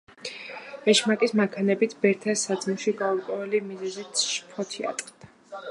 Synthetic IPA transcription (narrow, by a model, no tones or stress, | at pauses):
ɛʃmakʼismakʰanɛbit̪ʰbɛɾt̪ʰasad̪zmuʃiɡauɾkʼwɛvɛlimizɛzit̪ʃpʰɔt̪ʰia̰t̪ʼqʼd̪̥a